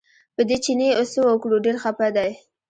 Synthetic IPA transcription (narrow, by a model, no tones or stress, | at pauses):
pəd̪et͡ʃineosəwəkɽuɖeɾxapad̪aj